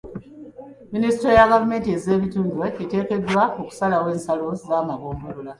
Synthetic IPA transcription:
minisitɾojaɡavume̞ːntieze̞ːβituːndweete̞ːke̞dːwaoku̥salawe̞ːnsalo̞zaːmaβoːmulula

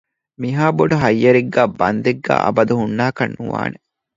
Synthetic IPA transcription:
miɦaːboɖɐɦɐjːɐɾiɡːæːbɐnd̪eɡːæ̰ːʔɐ̰bɐd̪uɦunːaːkɐnːuʋa̰ːne

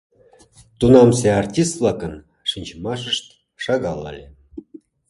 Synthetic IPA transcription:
t̪unɑmseɑrtʲist̪vlˠɑkə̆n | ʂinʲt͡ɕmɑʂə̆ʂt̪ | ʂɑɣɑlɑ̰lʲe

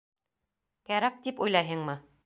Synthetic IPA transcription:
kæɾæk̚t̪ipujlˠɑjɦɤŋmɤ

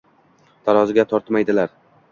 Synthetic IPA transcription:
t̪ʰaɾɒzɪɡʲat̪ʰɒɾt̪majd̪ɪlaɾ

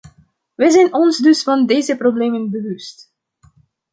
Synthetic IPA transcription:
ʋɛjzɛjnɔnzdɵsfɑndeːzəprobleːmənbəʋɵst

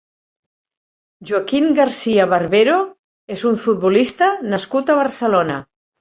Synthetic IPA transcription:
ʒuakimɡaɾsiəβəɾβeɾo | ezuɱfut̪̚bulist̪ənəskut̪əβ̞ərsəlonə

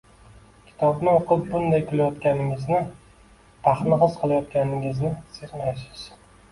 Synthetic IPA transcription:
kʲʰɪ̥t̪ʰɒbnɪoqʰɨp̚bʊnd̪ajkʲʰʊlajɒt̪kʲanɪŋɪznɪ | t̪ʰaχnɪχɨzqʰɨlˠajɒt̪kʲanɪŋɪznɪseqnajʃɪ̥z̥

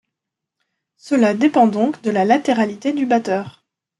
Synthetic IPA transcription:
səlad̪epɑ̃d̪ɔ̃kd̪əlalat̪eʁalit̪ed̪ybat̪œːʁ

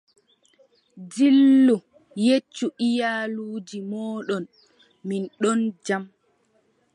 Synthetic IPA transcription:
d͡ʒilːu | jet͡ʃːuʔijaːluːd͡ʒimɔːɗɔn | minɗɔnd͡ʒam

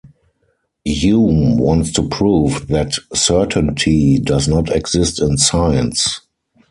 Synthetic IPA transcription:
jumwɔ̃ntstupʰɹuːvðætsɜ˞tʰə̃ntʰidaznɔtʰɛɡz̥ɪstɪ̃nsaɪə̃ns

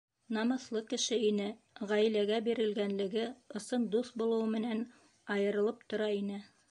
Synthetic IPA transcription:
nɑmɤ̆θlˠɤkɘ̆ʃɘinɘ | ʁæjlæɡæbiɾɘ̆lɡænlɘ̆ɡɘŏsɤnd̪uθbulˠɤ̆wɤmɘ̆næn | ɑjɤ̆ɾɤ̆lˠɤp̚t̪ŏɾɑinɘ

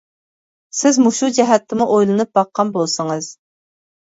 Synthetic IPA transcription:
sɪzmuʃud͡ʒɛɦɛt̪ʰːɪmuʔojlˠɨnɨp̚bɑqʰːɑnbolˠsəŋɨz̥

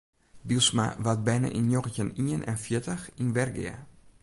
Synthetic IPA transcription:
bilˠsma̰ʋat̚bɛjna̰ʔinjoɣəcəniənʔɛ̰nfjɪtəxinʋɛrɡɪ̰ə̰

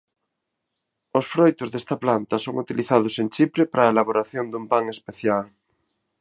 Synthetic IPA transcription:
osfɾojt̪ʊzðest̪ɐplant̪ɐsoŋut̪iliθað̞ʊsent͡ʃipɾepaɾaelaβoɾaθjond̪umpaŋespeθjal

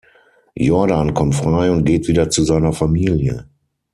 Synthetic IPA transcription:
jɔɐdankʰɔmtfʁ̥aɪʊnt̚ɡ̥eːtv̥iːdɐt͡suzaɪnɐfamiːljə̰

